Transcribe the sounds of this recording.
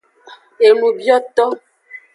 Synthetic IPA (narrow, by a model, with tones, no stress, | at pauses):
e˨lu˨bjɔ˦tɔ˦